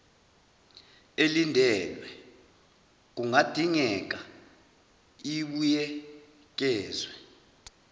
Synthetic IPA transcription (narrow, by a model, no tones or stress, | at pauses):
elindʱɛlwɛ | k̬uŋad̥ʱiŋɛk̬ʼa | iɓujɛ | k̬ʼɛːzwɛ